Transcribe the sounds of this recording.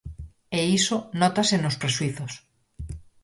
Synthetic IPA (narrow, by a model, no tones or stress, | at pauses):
eisonɔt̪asenospɾeswiθos